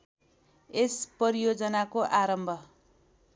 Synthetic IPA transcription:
esprʌɾijod͡zʌnakoʔaɾʌmbʱʌ

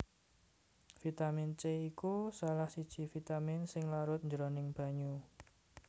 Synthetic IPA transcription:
fit̪amɪnt͡ʃeikusalahsid̥ʒ̥i̤fit̪amɪnsɪŋlaɾʊt̪̚ɲd͡ʒɾonɪŋb̥a̤ɲu

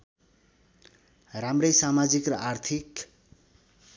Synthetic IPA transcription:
ramrʌjsamad͡zikrʌart̪ʰik

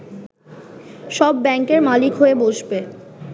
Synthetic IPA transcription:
ʃɔbːɛŋkeɾmalikɦoeboʃbe

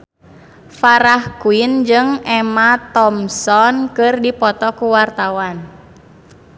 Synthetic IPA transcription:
faɾahkuind͡ʒɨŋɛmat̪ɔmsɔnkɨrdipɔt̪ɔkuwart̪awan

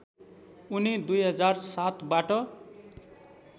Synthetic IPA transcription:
unid̪ujɦʌd͡zarsat̪baʈʌ

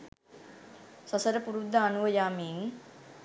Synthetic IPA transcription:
sɐsəɾəpuɾud̪ʱːaːnuʋɐjaːmiːŋ

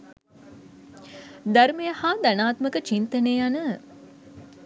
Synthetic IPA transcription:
d̪aɾmejəhaːd̪anaːt̪məkət͡ʃint̪əneːanə

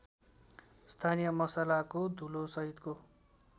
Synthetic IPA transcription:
st̪ʰanijʌmʌsalakod̪ʱulosʌɦit̪ko

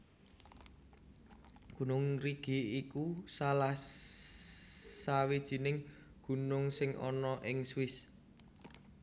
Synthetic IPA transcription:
ɡ̥ṳnʊŋɾiɡ̥iikusalah | sawid̥ʒ̥i̤nɪŋ | ɡ̥ṳnʊŋsɪŋʔɔnɔʔɪŋswɪs

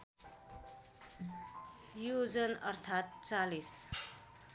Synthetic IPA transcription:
jud͡zənʌ̰ɾt̪ʰat̪̚t͡salis

